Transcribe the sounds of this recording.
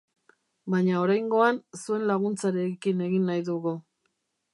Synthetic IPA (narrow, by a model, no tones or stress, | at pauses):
bajɲao̞ɾajŋɡo̞ansue̞nlaɣ̞unt͡saɾekine̞ɣinːajðuɣu